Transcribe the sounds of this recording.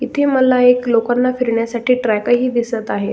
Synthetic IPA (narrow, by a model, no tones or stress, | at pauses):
it̪ʰeməlaeklokanːafiɾɳjasaʈiːʈɾajkəɦiːd̪isət̪aɦet̪